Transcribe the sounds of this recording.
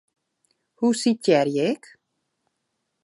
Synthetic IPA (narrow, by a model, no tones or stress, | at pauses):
husitɛɾjɛk